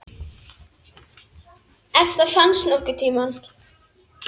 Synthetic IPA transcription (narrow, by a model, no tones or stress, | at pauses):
ɛft̪əfansnɔkːʏt̪ʰiːman